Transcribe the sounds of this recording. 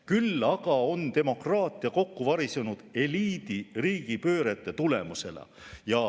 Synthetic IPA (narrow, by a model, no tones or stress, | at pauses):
kylːɑɡ̥ɑo̞nt̪e̞mo̞krɑːt̪ːˑiɑko̞kːuvɑɾisenud̪̥e̞liːd̪iriːɡ̥ipø̞ːɾet̪ːˑe̞t̪ule̞muse̞̰lɑ̰ | jɑ